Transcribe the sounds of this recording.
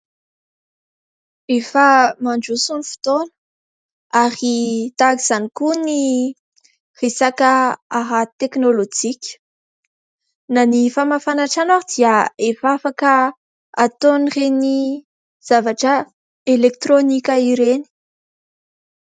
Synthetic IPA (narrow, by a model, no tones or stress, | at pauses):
efəmaɳɖ͡ʐusunifi̥t̪onə̥ | aɾit̪akiz̥anikuni | resakəaɦat̪eknolod͡ʒikʲə̥ | nanifamafanaʈ͡ʂanaɾid̪̥iaefafakə | at̪onireni | z̥avaʈ͡ʂə | elek̚t̪ronikʲəiɾeni̥